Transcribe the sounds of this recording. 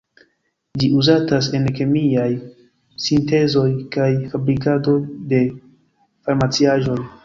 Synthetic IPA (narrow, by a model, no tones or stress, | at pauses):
d͡ʒiuzatas̬e̞nke̞miaj | sinte̞zo̞jkajfabɾikado̞jde̞ | faɾmat͡siaʒo̞j